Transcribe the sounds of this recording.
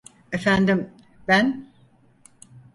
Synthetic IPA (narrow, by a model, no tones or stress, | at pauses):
efænd̪im | bæn